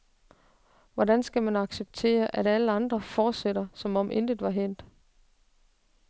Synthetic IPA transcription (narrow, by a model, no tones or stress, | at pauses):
ʋɒdænsɡ̥æmænɑ̈ɡ̥seb̥̚t͡sʰe̝̰ːɐʔæɾæləɑ̈nd̥ʁɐfɒːd̥seɾɐsɒ̽mɒ̽mʔe̝nd̥id̥ˠʋɑ̈ɦen̰d̥